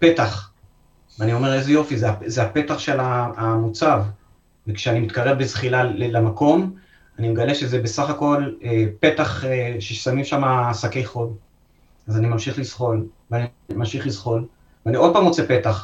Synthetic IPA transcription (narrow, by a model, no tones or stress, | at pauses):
pet̪aχ | veanio̞me̞ʁezejo̞fizeazeape̞t̪aχʃe̞laːmut͡sav | vekʃeanimit̪kaʁe̞vbezχilaelamako̞m | animeɡale̞ʃezebe̞saχako̞lepe̞t̪aχeʃesamimʃamaːsake̞jχo̞v | azanimamʃiχlizχo̞lveani | mamʃiχlizχo̞l | veanio̞d̚paːmʁo̞t͡se̞pe̞t̪aχ